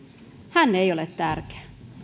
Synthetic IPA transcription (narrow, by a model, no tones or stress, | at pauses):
hænːejo̞let̪ːærk̟e̥æ